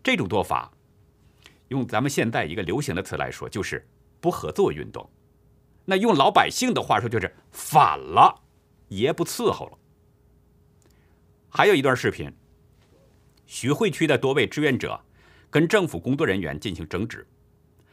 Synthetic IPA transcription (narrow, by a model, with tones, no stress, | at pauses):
ʈ͡ʂɤ˥˩ʈ͡ʂʊ˨˩ŋt͡swɔ˥˩fa̰˨˩ | jʊ˥˩ŋt͡sa˧˥mə˨nɕjɛ˥˧nt͡sa˥˩ɪi˧˥ɡə˧ljo˧˥ʊɕ̬i˧˥ŋd̪ə˧t͡sʰɹ̩˧˥˩la̰˧˥ɪʂwɔ̰˥t͡ɕjo˥˧ʊʂɻ̩˥˧ | pu˥˩xɤ˧˥t͡swɔ˥˧y̰˥˧nt̪ʊ̰˥˩ŋ | na˥˧jʊ˥˩ŋlɑ˧˥ʊpa˨˩ɪɕi˥˩ŋd̪ə˩xwa̰˥˩ʂwɔ˥t͡ɕjʂɻ̩˥˩ | fa̰˨˩nlə˦ | jɛ˧˥pu˧˥t͡sʰɹ̩˥˧xo̰˧˥˩ʊlə˩ | xa˧˥ɪo˨˩i˧˥t̪wa˥˧ʂɻ̩˥˩pʰḭ˧˥n | ɕɛ˧˥xwe˥˧ɪt͡ɕʰy˥d̪ə˨t̪wɔ˥we˥˩ɪʈ͡ʂɻ̩˥ɥɛ˧˥nʈ͡ʂɤ̰˨˩˦ | kə˥nʈ͡ʂɤ˥˩ŋfu˨˩kʊ˥ŋt͡swɔ˥˩ɻə˧˥nɥɛ̰˧˥nt͡ɕi˥˩nɕi˧˥ŋʈ͡ʂɤ˧˥ŋʈ͡ʂɻ̩˨˩˦